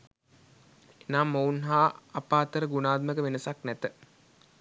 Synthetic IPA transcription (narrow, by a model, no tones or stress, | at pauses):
enaːmːounɦaːpaːt̪əɾəɡunaːd̪məkəʋenəsaknæt̪ə